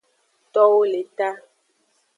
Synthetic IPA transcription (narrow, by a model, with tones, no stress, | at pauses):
t̪ɔ˦wo˦le˨t̪a˦